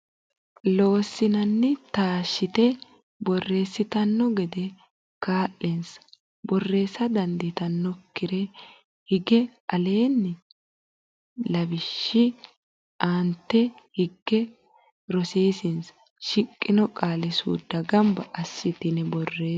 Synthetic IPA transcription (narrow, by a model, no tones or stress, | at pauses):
lo̞ːsːɪnɐnːɛt̪aːʃːɪt̪ɛ | bɔrːe̞ːsːɪt̪ɐnːɔɡɛd̪ɛ | kaːʔɛns | bɔrːe̞ːsɐd̪ɐnd̪ɪt̪ɐnːɔkːɪɾɛ | hɪɡɛɐle̞ːnːɛ | lɐbɪʃːɪ | ʔaːnt̪ːɛ | hɪɡːɛ | ɾɔsiːsɪns | ʃɪkʼːɪnɔkʼaːlɛsṵːd̪ːɐɡɐmbɐʔɐsːɪt̪ɪnɛbɔrːe̞ː